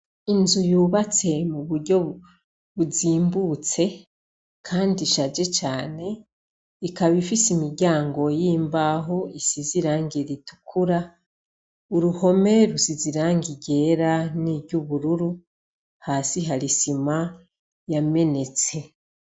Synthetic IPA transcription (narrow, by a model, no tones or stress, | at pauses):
inzujuːβat͡se̞muβuɾɟo̞ | βuziːmbuːt͡se̞ | kʰaːndiʃad͡ʒe̞t͡ʃaːne̞ | ikaβifisimiɾɟaːŋɡo̞jiːmbaɦo̞isiziɾaːŋɡiɾitu̥kʰuɾa | uɾuho̞me̞ɾusiziɾaːŋɡiɟe̞ːɾaniːβɟuβuɾuɾu | haːsiɦaɾisima | jame̞ne̞t͡se̞